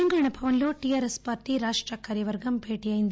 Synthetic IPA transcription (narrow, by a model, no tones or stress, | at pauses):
ɐŋɡɾɐɳɐbʱɐʋɐnloːʈijaːɾespaːɾʈiɾaːʂʈɾɐkaːɾjɐʋɐɾɡɐmbʱe̞ːʈijaːjind̪